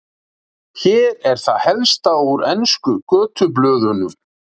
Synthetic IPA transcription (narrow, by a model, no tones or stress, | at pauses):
çɛːɾɛɾ̥θaðhɛlst̪auɾɛnskʏkœːt̪ʰʏp̬lœːðʏnʏm